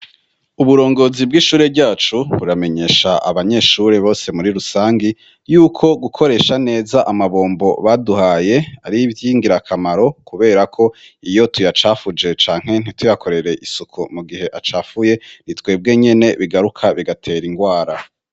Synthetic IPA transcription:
uβuɾo̞ːŋɡo̞ːzib̚ɡiʃuːɾebɟaːt͡ʃuβuɾame̞ɲe̞ːʃaʔa̰βaɲe̞ːʃuɾeβo̞ːse̞muɾiɾusaːŋɡi | juːkʰo̞ɡukʰo̞ɾe̞ːʃane̞ːzaʔamaβo̞ːmbo̞βaduhaːje̞a̰ɾivjiːŋɡiɾakʰamaɾo̞kuβe̞ːɾakʰo̞ | ijo̞tujat͡ʃaːfud͡ʒe̞t͡ʃaːŋ̥he̞n̥itujakʰo̞ɾe̞ɾe̞ʔisukʰumuɡihe̞ʔat͡ʃaːfuje̞nitwe̞ːb̚ɡe̞ɲe̞ne̞βiɡaɾukʰaβiɡatʰe̞ːɾiŋɡwaːɾa

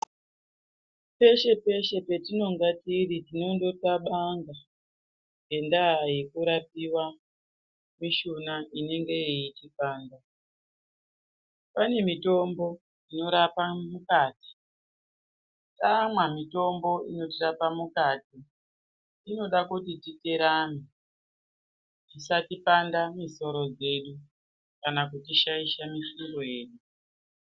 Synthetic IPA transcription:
pe̞ʃe̞pe̞ʃe̞pe̞tino̞ŋɡatiritino̞ndo̞taɓaŋɡa | ŋɡe̞ndajekuɾapiwa | miʃunaine̞ŋɡe̞iitikaːnda | pane̞mito̞mbo̞ | ino̞ɾapamukaːti̥ | tamwamito̞mbo̞ino̞tirapamukaːtiː | no̞ɗakutitite̞ɾane | tisatipandamiso̞ɾo̞d͡ze̞ɗu | kanakutiʃaiʃamisuroje̞ːɗu

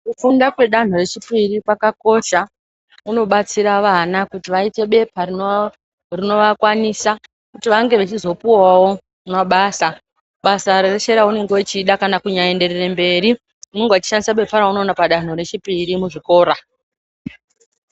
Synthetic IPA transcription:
kufundakwe̞ɗan̤oɾe̞t͡ʃipiɾipakako̞ʃa | uno̞ɓat͡siɾaʋanakutiʋaite̞ɓe̞pʰari | rino̞ʋakwanisa | kutiʋaŋɡe̞ʋat͡ʃizo̞puwawo̞ | maɓaːsa | ɓasaɾereʃe̞ɾaune̞ŋɡewot͡ʃiːɗakanakuɲae̞nde̞rere̞mbe̞ːɾi | uno̞ŋɡewat͡ʃi̥ʃandisaɓe̞pʰaɾauno̞ːnapaɗan̤o̞ɾe̞t͡ʃipiɾimuʐiko̞ːɾa

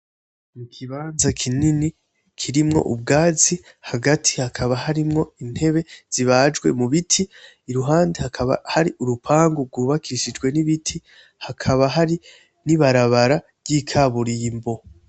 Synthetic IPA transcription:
mukʰiβaːnzakʰinini | kʰiɾimŋo̞̰ʔub̚ɡaːzi | haɡatʰi̥hakʰaβaɦaɾimŋo̞in̥he̞βe̞z̥iβad͡ʒɡwe̞̰muβitʰiː | ɾuɦaːndehakʰaβa̰haɾiʔuɾupʰaːŋɡuɡwuːβakʰiʃid͡ʒɡwe̞niβitʰi | hakʰaβaɦaɾi | niβaɾaβaɾa | bɟikʰaβuɾimbo̞

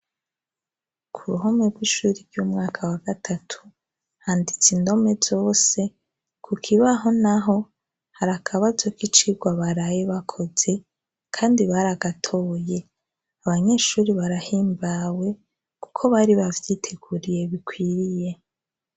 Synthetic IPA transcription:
kʰuɾuɦomeɾɡwiʃuːɾiɾɟuːmŋaːkʰawaɡatʰatʰu̥ | haːndit͡sindo̞me̞z̥o̞ːse̞ | kʰukʰiβaɦo̞naɦo̞ | haɾakʰaβazokit͡ʃiɡwaβaɾajeβakʰo̞ze̞ | kʰaːndiβaɾaɡatʰo̞ːje̞ | aβaɲe̞ːʃuːɾiβaɾahiːmbawe̞ | ku̥kʰo̞βaɾiβavjitʰe̞ɡuɾije̞βikwiːɾije̞

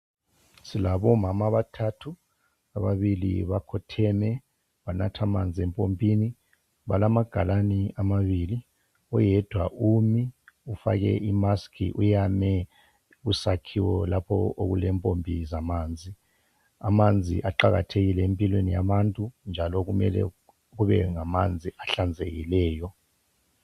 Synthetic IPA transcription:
silaɓɔmamaβatʰatʰu | aɓaɓilḭβakʰɔtʰɛnɛ | ɓanatʰamand͡zʱiɛmpʼompʼiːni | ɓalamaɡ̥ʱalaniʔamaβiːli | ɔjɛd̥ʱwaʔumiufa̰k̬ɛ̰ʔimaskʰḭʔujamɛ | usakʰiwɔlapʰɔ̰ʔok̬ulɛːmpʼompʼizamaːnd͡zʱi | amand͡zʱḭʔaǃak̬a̰tʰek̬ilɛempʼilwenijaɓantʼund͡ʒʱalɔk̬umɛ̰lɛ̰ | k̬uɓɛŋamand͡zʱiʔaɬand͡zʱek̬ilɛːjɔ

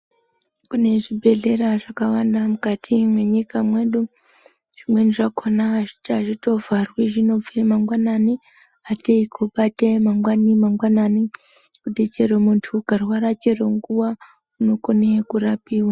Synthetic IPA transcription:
kune̞ʐibʱe̞ɮe̞ɾaʐakawandamukatʰimweɲikamwe̞ɗu | ʐ̥imwe̞niʐakʰonaʐitaʐito̞varwiʒino̞vemaŋɡwanani | ateikʰoɓatemaŋɡwanimaŋɡwanani | kudet͡ʃeɾomuntʰukarwaɾat͡ʃeɾoŋɡuwa | unoko̞nekuɾapiːwa

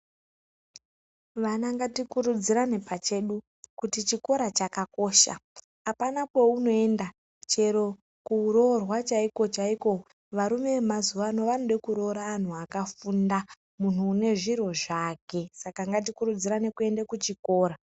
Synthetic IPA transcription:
ʋanaŋɡatikuɾud͡ziɾane̞pat͡ʃe̞ɗu | kutit͡ʃiko̞ɾat͡ʃakako̞ʃa̰ː | panakwe̞uno̞e̞nda | t͡ʃe̞ɾo̞ | kuːɾo̞rwat͡ʃaiko̞t͡ʃaiko̞ | ʋaɾume̞mazuʋano̞ʋanoɗekuɾo̞ɾaːn̤uakafunda | mun̤uːne̞ʐiɾo̞ʐake̞sakaŋɡat̬ikuɾud͡ziɾane̞kue̞ndekut͡ʃiko̞ːɾa

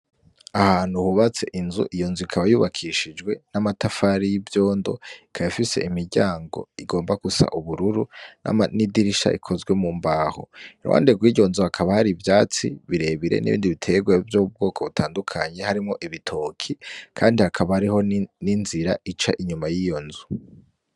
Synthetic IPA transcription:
ahaːn̥huhuβat͡se̞̰ʔinzṵʔijo̞ːnzuikʰaβajuːβakʰiʃid͡ʒɡwe̞namatafaɾijivjo̞ːndo̞̰ikʰajifise̞̰ʔimiɾɟaːŋɡo̞̰iɡo̞ːmbakusa̰ʔuβuɾuɾuna̰manidiɾiʃa̰ʔikʰo̞zɡwe̞mumbaho̰iɾuwʔa̰ːndeɡwiːɟo̞nzuhakʰaβahaɾivjaːt͡sḭβiɾe̞βiɾe̞̰nʔḭβiːndiβitʰeɡwevjoub̚ɡo̞ːkʰo̞βutʰaːndukʰaɲe̞haɾimŋo̞ʔiβitʰo̞kʰikʰaːndihakʰaβahaɾiho̞ninziɾait͡ʃa̰ʔiɲumajijo̞nzu

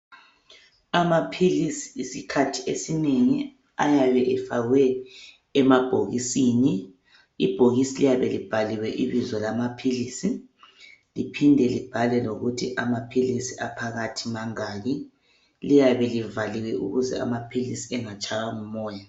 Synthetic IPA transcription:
amapʰilisi̥isikʰatʰiesineŋi | ajaβɛʔɛfaɣwɛ | ɛmab̥ʱo̰ɣisini | ib̥ʱoɣisilijaβɛlib̥ʱaliwɛʔiβizɔlamapʰiliːsi | lipʰindʱɛlib̥ʱalɛloɣutʰiʔamapʰilisiapʰaɣatʰimaŋaːɣi | lijaβɛlivaliwɛṵɣuzɛ̰a̰mapʰilisiɛŋat͡ʃʰʼaɣaŋumɔːja

